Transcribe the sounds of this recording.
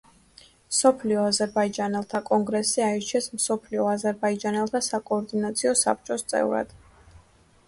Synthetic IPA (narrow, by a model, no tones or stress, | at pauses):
msɔpʰliɔazɛɾbaid͡ʒanɛlˠt̪ʰakʼɔŋɡɾɛsiait͡ʃʰɛsmsɔpʰliɔazɛɾbaid͡ʒanɛlˠt̪ʰasakʼɔːɾd̪inat̪sʰiɔsa̰p̚t͡ʃʼɔst̪sʼɛ̰vɾa̰d̪̥